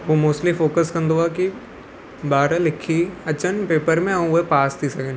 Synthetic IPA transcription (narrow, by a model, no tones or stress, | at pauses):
ʋomoːslifoːkəskɐ̃nd̪oaːki | baːɾlɪkʰiɐt͡ɕənpeːpəɾmẽɐũʊɦepaːst̪ʰisɐɡʱen